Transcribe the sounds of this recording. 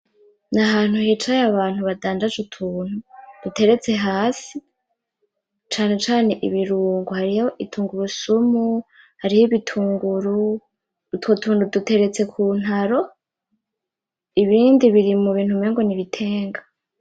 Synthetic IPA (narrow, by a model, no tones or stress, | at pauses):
naɦaːn̥huhiːt͡ʃajaβaːn̥huβadaːndazutʰuːn̥hud̥ute̞ɾe̞t͡se̞ɦaːsi | t͡ʃaːne̞t͡ʃaːne̞ʔḭβiɾuːŋɡuhaɾijoʔitʰuːŋɡuɾusumu | haɾijoβitʰuːŋɡuɾu | twotʰuːndudute̞ɾe̞t͡se̞kʰuːn̥haɾo̞ | iβiːndiβiɾimuβiːn̥humeːŋɡo̞niβitʰe̞ːŋɡa